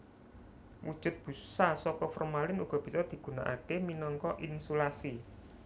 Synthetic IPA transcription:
wṵd̥ʒ̥ʊ̤t̪̚b̥ṳsasɔkɔfɔrmalɪnuɡ̥ɔ̤b̥i̤sɔd̪̥i̤ɡ̥ṳna̰ʔa̰keminɔŋkɔʔinsulasi

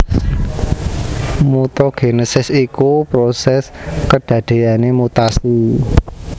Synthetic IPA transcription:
mut̪ɔɡ̥enosɪsikupɾosɛskəɖ̥ä̤ɖ̥e̤janemut̪asu

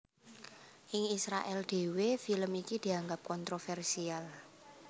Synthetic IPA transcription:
ʔɪŋisɾa̰ʔɛld̪̥e̤wefiləmikid̪̥i̤aŋɡap̚kɔnt̪ɾofɛrsial

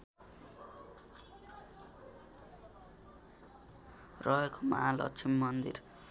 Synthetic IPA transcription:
rʌɦekoma̰ɦalʌ̰t͡sʰimːʌnd̪ḭr

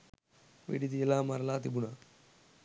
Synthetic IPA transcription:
ʋḭɖid̪ielaːmɐɾɐlaːt̪ibuna

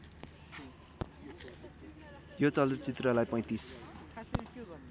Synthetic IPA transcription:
jot͡sʌld̪t͡sit̪rʌlajpʌj̃t̪is

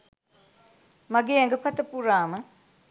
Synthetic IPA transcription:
mɐɡeŋɡɐpʰɐt̪ːɐpuɾamɐ

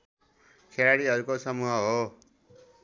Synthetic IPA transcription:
kʰeɽaɽiɦʌɾukosʌmuɦʌɦo

